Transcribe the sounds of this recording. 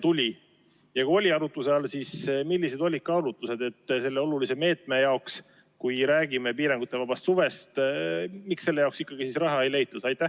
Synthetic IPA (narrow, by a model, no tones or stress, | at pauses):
t̪ulʲi | jɑkuo̞lʲiɑɾut̪ːˑuseɑlsismilːise̞d̪o̞lʲid̪̚kɑɑɾut̪ːˑuse̞d̪e̞t̪ːse̞lːe̞o̞lulise̞me̞ːt̪ˑme̞jɑoks | kujɾæːɡ̥imepiːɾɑŋɡ̥ut̪ːˑe̞vɑb̥ɑst̪suve̞st̪mikse̞lːe̞jɑoksikːɑɡ̥isisrɑɦɑe̞jle̞jt̪ːˑud̪̥ɑjt̪ːˑæ